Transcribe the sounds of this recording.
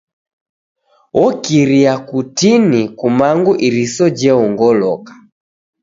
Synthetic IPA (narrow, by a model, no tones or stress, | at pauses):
wʔɔkiɾiakutinikumaŋɡuʔiɾisɔd͡ʒɛɔŋɡɔlɔkḁ